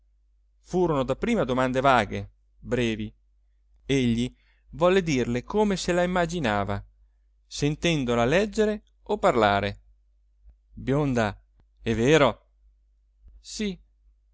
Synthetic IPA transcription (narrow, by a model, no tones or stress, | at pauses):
fuːɾonod̪apːɾiːmad̪omand̪evaːɡe | bɾɛːvi | eʎːi | vɔlːed̪irlekʰoːmeselaimːad͡ʒinaːva | sent̪ɛnd̪olalɛd͡ʒːeɾe | opːarlaːɾe | bjond̪a | ɛvːeːɾo | si